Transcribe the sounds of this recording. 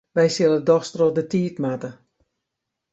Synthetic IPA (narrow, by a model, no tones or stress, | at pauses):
ʋɛjsɪlˠədɔxstrodətiːtmatə